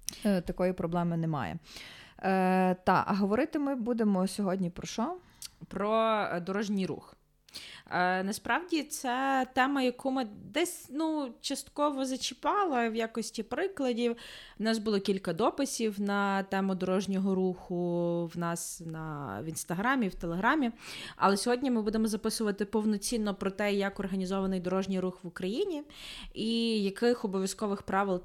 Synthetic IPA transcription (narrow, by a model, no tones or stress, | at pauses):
t̪ɐkɔjipɾɔblˠɛmɪnɛmɑ̰jɛ̰ | t̪ɑkɐ̰ɦɔʋɔɾɪt̪ɪmɪbud̪emɔsʲɔɦɔdʲnʲipɾɔʃɔ | pɾɔd̪ɔɾɔʒnʲijɾṵx | ənɐspɾɑwdʲit̪sɛt̪ɛmɐjɐkʰumɪd̪ɛsʲnut͡ʃɐst̪kɔʋɔzɐt͡ʃɪpɑlˠɐwjakɔsʲtʲipɾɪklˠɐdʲiwnɑsbʊlˠɔkʲilʲkɐd̪ɔpɪsʲiwnɐt̪ɛmʊd̪ɔɾɔʒnʲɔɦɔɾuxʊwnɑsnɐ̰ʋʲinst̪ɐɦɾɑmʲiwt̪elˠeɦɾɑmʲiɐ̰lˠɛsʲɔɦɔdʲnʲimɪbud̪emɔzɐpɪsʊʋɐt̪ɪpɔwnɔt͡sʲinːɔpɾɔt̪ɛjɐkɔrɦɐnʲizɔʋɐnɪjd̪ɔɾɔʒnʲijɾuxʋʊkɾɐjinʲiijɐkɪxɔbɔʋʲjɐskɔʋɪxpɾɑʋɪlˠ